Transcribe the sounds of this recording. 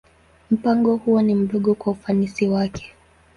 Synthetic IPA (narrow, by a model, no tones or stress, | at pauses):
m̩paŋɡɔhuɔnim̩ɗɔɠɔkwaufanisiwakʰɛ̥